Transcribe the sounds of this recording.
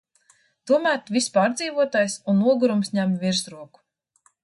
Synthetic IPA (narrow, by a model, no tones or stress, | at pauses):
t̪uɔmæːɾt̪vispaːɾd̪ziːvuɔt̪aːjsunːuɔɡuɾumsɲæmviɾsɾuɔku̥